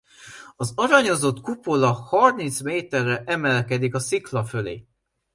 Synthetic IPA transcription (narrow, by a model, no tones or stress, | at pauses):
ɒzɒɾɒɲo̞zo̞t̪kupo̞lɒhɒrmint̪smeːt̪ɛrːɛʔɛmɛlkɛd̪ikɒsiklɒfølḛː